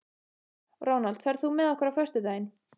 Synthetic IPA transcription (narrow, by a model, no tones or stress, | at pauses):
roːwnalt̪fɛɾðθumɛðɔhkvɛɾafœst̪ʏt̪ajɪn